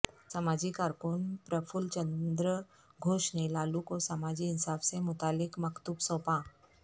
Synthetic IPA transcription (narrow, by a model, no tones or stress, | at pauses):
samad͡ʑiːkaɾkuːnpɾəfult͡ɕənd̪ɾə | ɡʱoʂɳelalukosamad͡ʑiːnsaʋsemut̪alikməkt̪upsõpã